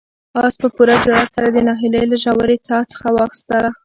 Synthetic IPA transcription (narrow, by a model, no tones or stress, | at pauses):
ɑspəpuɾad͡ʒaɽasaɾad̪ənɑɦilejlaʒawaɾet͡sɑt͡sə̥xawɑxɪ̥st̪əla